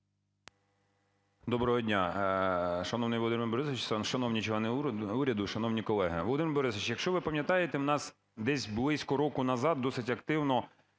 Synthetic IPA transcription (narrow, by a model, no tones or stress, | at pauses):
d̪ɔbɾɔɦɔdʲnʲa | ʃɐnɔwnɪjʋlˠɔd̪ɪmɪbɔɾɪsʋʲɪt͡ʃʃɐnɔwnʲit͡ʃɛnɪuɾʲɐd̪ʊʃɐnɔwnʲikɔlˠɛɦɪʋɔlˠɔd̪ɪmɪɾbɔɾɪsʋʲɪt͡ʃjɐkʃt͡ʃɔʋɪpɐmjɐt̪ɑjet̪ɛwnɑs | d̪ɛsʲblˠɪsʲkɔɾɔkʊnɐzɑd̪̚d̪ːɔsɪtʲɐkt̪ɪwnɔ